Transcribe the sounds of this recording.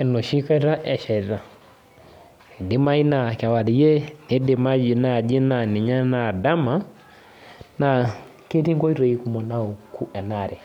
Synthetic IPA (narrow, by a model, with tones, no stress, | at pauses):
ɛ˨nu˨ʃi˦ka˦ɾa˦ʔɛ˨ʃɛ˨ɾa˨ | di˦ma˦i˦na˨ka˨wa˨li˨˦jɛ˦ni˨˦di˨ma˦d͡ʒi˨na˨d͡ʒi˦na˨ni˨ɲa˦na˨da˦ma˦ | na˨ | ke˦ti˦ŋɡɔ˦i˦ɾɔ˨i˦ku˨mɔ˨na˦o˨ku˦ʔɛ˨na˨ɾɛ˨